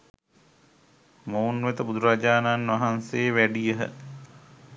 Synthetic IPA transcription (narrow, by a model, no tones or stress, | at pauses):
mownʋet̪əbud̪uɾad͡ʒaːnanʋaɦanseːʋæɖijəɦə̰